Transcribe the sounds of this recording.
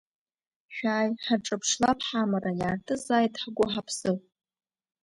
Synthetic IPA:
ʃᶣaːjħaʈ͡ʂʼapʰʂlapʰħamarajaːrtʰʼɨzaːjtʼħaɡʷʼʊħapʰsɨ

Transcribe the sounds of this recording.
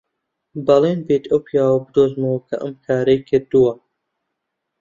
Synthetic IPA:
bɐleːnbeːt̪ʰɐwpʰijaːwɐbɨd̪oːzmɐwɐkʰɐ̰ʔəmkʰaːɾɐjkʰɨɾd̪uwɐ

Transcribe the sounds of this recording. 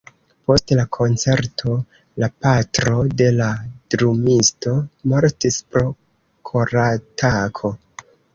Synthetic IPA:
po̞stlakʰo̞nt͡se̞ɾtʰo̞ | lapatɾo̞de̞ladɾumisto̞moɾtispɾo̞ | kʰo̞ɾatakʰo̞

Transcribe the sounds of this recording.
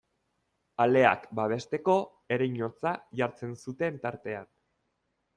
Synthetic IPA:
ale̞a̰kbaβ̞e̞st̪e̞ko̞ | e̞ɾejɲot͡saʝaɾt͡se̞nsut̪e̞nt̪aɾt̪e̞an

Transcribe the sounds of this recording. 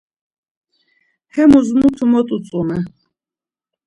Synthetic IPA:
hɛmuzmut̪ʰumɔt̪ʼut͡sʼunɛ

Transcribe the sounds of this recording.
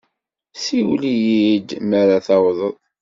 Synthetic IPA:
siwlijid̪məɾaθɑwðˤəðˤ

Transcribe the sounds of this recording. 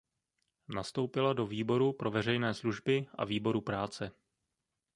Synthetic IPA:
nast̪o̞wpɪlado̞viːbo̞ɾupɾo̞vɛr̝ɛjnɛːsluʒbɪʔa̰viːbo̞ɾupɾaːt͡sɛ

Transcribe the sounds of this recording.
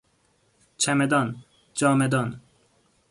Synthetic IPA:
t͡ʃʰæmed̪ɒn | d͡ʒɒːmed̪ɒn

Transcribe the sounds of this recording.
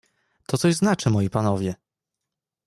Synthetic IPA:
t̪ɔt̪sɔʑznat͡ʂɘmɔjipanɔvʲjɛ

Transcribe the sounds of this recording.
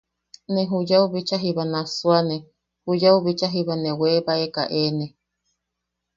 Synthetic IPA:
nẽɦujauβit͡ʃaɦiβanasuane | hujauβit͡ʃaɦiβanẽweβaeka̰ʔenẽ

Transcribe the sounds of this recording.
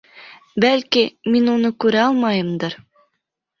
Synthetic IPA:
bælkiminunɤkʉɾæɑlˠmɑjɤ̆md̪ɤɾ

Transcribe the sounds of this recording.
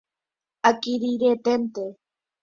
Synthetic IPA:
akiɾiɾet̪ent̪e

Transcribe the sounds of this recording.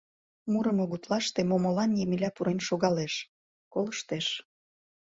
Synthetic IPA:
muɾə̆moɣut̪lɑʃt̪emomolɑnjemilʲæpuɾenʃoɣɑleʃ | koləʃt̪eʃ

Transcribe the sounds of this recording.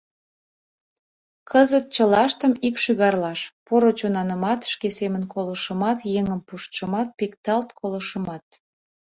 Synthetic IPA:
kʰəzət̪̚t͡ɕəlɑʃt̪əmikʃyɣɑrlɑʃpoɾot͡ɕonɑnəmɑt̪ʃkesemənkʰolə̆ʃəmɑt̪jeŋəmpuʃt͡ʃəmɑt̪̚pikt̪ɑlt̪kʰoləʃəmɑt̪̚

